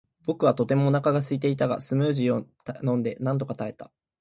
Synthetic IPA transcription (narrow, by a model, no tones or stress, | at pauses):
b̥o̞kɯ̟βat̪o̞t̪e̞mo̞nakaɡasɨit̪e̞it̪aɡa̰sɨmɯːʑio | nõ̞nd̪e̞nãnt̪̬o̞kat̪ae̞t̪ḁ